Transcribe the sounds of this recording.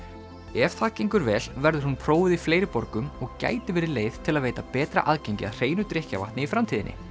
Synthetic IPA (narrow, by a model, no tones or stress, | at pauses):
ɛfθaciŋkʏɾvɛːlvɛɾðʏɾ̥hunpʰɾoːwvɪðifleːjɾɪpɔɾkʏmɔɣca̰ːjt̪ɪvɛːɾɪleːjð̥t̪ʰɪlaðveːjt̪apɛːt̪ɾa̰ʔaðcejɲcɪa̰ðr̥eːjnʏt̪ɾɪhca̰va̰ht̪nɪifɾamt̪ʰiːðɪnʔɪ̰